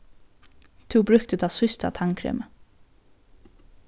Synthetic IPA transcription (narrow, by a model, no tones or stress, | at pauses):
t̪ʰʉːbɾʉk̚t̪əd̪ɑsʏst̪a̰t̪ʰaŋkʰɾḛːmə